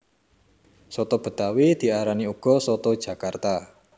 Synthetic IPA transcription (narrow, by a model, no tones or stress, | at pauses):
sot̪ob̥ə̤t̪awid̪̥i̤aɾaniuɡ̥ɔ̤sot̪od̥ʒ̥ä̤kart̪a